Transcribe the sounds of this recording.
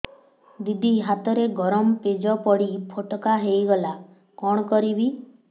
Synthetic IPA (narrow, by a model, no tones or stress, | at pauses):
d̪id̪ʱiɦat̪ɔɾeɡɔɾɔmped͡ʒɔpɔɽipʰoʈɔkaɦejɡɔla | kɔɽ̃ɔkɔɾibi